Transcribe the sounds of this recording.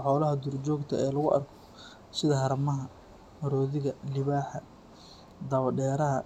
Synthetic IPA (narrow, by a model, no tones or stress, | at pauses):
ħɔːlɐɦɐd̪ʊrt͡ʃɔːɡt̪ʰɐɛːlɐɣʊʔɐ̰rkʰɔ̥ | sɪðɐhɐɾɐmɐɦɐ | mɐɾɔːðɪɣɐlɪβaːħɐ | d̪ɐβɐɖɛːɾɐɦɐ